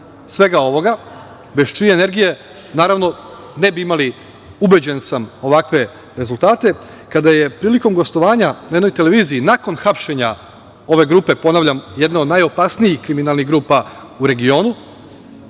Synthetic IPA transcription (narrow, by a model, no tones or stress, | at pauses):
sʋe̞ɡao̞ʋo̞ɡa | be̞ʃt͡ʃiene̞ɾɡije̞ | naːɾaʋno̞ | ne̞biimali | ube̞d͡ʑe̞nsamo̞ʋakʋe̞ | ɾe̞zult̪aːt̪e̞ | kad̪aje̞pɾiːliko̞mɡo̞st̪o̞ʋaːɲanaed̪no̞jt̪e̞le̞ʋiːziːnako̞nxapʃe̞ɲa | o̞ʋe̞ɡɾuːpe̞po̞naːʋʎamjed̪nao̞d̪najo̞paːsnijixkɾiminalˠniɣɡɾuːpa | uɾe̞ɡio̞ːnu